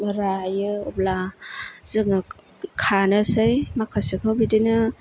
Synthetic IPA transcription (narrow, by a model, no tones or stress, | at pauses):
ɾajɯɔblazɯk̚na | kʰanɯsɯjmakʰasɯkʰɯbidɯnɯ